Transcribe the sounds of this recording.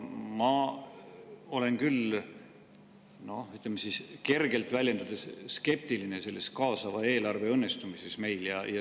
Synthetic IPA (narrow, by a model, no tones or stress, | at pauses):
mɑ | o̞le̞nkyl | no̞yt̪ːˑlemːesiːske̞rɡe̞lt̪vælʲjed̪̥ɑd̪̥esske̞p̚t̪iline̞se̞lːe̞skɑːsɑvɑe̞ːlɑrve̞ɤnːe̞st̪umise̞sme̞jljɑ̰jɑ